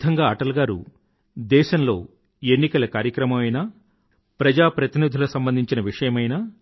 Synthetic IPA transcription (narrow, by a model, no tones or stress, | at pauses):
t̪ʰɐŋɡaːɐʈɐlɡaːɾṵ | d̪ɛːʃɐnlo̞ː | enːikɐlɐkaːɾjɐkɾɐmɐmɐjnaː | pɾɐd͡ʒaːpɾɐt̪inid̪ʱulɐsɐmbɐnd̪ʱiɲt͡ʃinɐʋiʂɐjɐmɐjnaː